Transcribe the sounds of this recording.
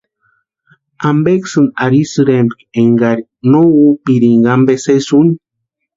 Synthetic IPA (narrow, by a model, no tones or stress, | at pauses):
ambeksɨnaɾisɨɾembkeŋɡaɾi | noupiɾiŋɡambesesuni